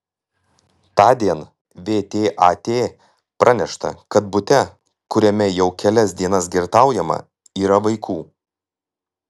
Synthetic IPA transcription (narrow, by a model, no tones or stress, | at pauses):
t̪ɑːd̪ʲiɛn | ʋʲeːt̪ʲeːʔɑːt̪ʲeː | pɾʔɐnʲɛʃt̪ɐ̰kɐt̪̚bʊt̪ʲɛ | kʊɾʲɛmʲɛjɛʊkʲɛlʲɛsd̪ʲiɛnɐsɡʲɪɾt̪ɑˑʊjɛmɐ̰ | iːɾɐʋɐɪkʰuː